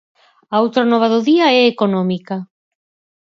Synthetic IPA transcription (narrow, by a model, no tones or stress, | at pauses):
aowt̪ɾanɔβ̞aðoðiaɛekonɔmika